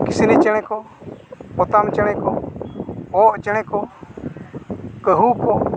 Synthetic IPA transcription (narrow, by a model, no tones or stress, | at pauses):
kisnit͡ʃəɽ̃ɛkɔ | pɔt̪amt͡ʃəɽ̃ɛkɔ | ɔʔt͡ʃəɽ̃ɛkɔ | kəɦukɔ